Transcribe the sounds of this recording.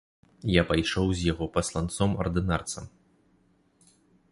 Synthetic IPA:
japajʂɔwzʲjaɣɔpɐslˠant̪sɔmɐ̰rd̪ɨnart̪sɐm

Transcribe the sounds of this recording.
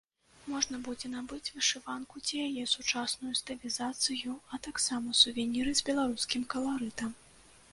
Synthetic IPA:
mɔʐnɐbud͡zʲɛnabɨt͡sʲvɨʂɨvankut͡sʲijajɛsut͡ʂasnujust̪ɨlʲizat̪sɨjuɐt̪aksamɐsuvʲɛnʲiɾɨzʲbʲɛlˠaɾuskʲimkɐlˠaɾɨt̪ɐm

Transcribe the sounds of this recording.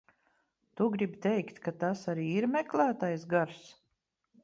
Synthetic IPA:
t̪uɡɾibʲt̪ɛjkt̪kat̪asaɾiːiɾmɛklˠæːt̪ajs̬ɡaɾs

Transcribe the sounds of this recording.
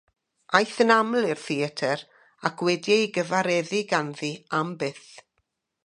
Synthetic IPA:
ajθənamlˠɪr̥θiɛtʰɛɾ | akʰwɛdjɛjɡəvaɾɛðɪɡanðiambɪθ

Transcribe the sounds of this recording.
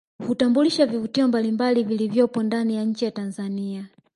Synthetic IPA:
hutambuliʃavivutiɔmbalimbalivilivjɔpɔndanijaɲ̩t͡ʃijatanzania

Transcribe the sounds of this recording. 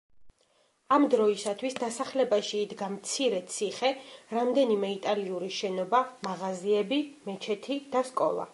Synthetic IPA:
amd̪ɾɔisat̪ʰwisd̪asaχlɛbaʃiːd̪ɡamt̪sʰiɾɛt̪sʰiχɛɾamd̪ɛnimɛit̪ʼaliuɾiʃɛnɔbamaʁaziɛbimɛt͡ʃʰɛt̪ʰid̪̥askʼɔ̰lˠa̰

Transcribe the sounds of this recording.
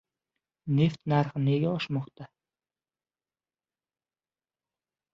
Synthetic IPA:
neft̪naɾχɪneɡʲaɒʃmɒχt̪a

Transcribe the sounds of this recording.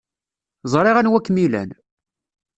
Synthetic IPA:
zˤɾˤɪʁænwækːmilæ̰n

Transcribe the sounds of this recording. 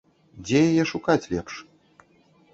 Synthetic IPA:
d͡zʲɛjajɛʂukat͡sʲlʲɛ̰pʂ

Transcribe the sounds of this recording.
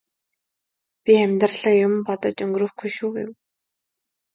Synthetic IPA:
pʲiæmʲt̪rɮ̥ə̆ːjʊm̆mpɔt̪ɞ̆t͡ɕɵŋɡrɵ̆ːxɡujʃuːɡḛw

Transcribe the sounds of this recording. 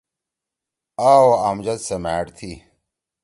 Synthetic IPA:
aːwamd͡ʑɐt̪semeːt̪ʰi

